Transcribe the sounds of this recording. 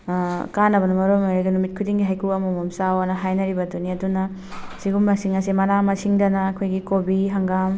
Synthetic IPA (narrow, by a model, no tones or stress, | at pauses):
kanɐbɐnɐmɐɾomajɾeɡɐnumit̚kʰudiŋɡiɦajkʰuɐmomomsawɐnɐɦajnɐɾibɐduniɐdunɐ | siɡumːɐsiŋɐsimɐnamɐsiŋdɐnɐːkʰojɡikobiɦɐŋɡam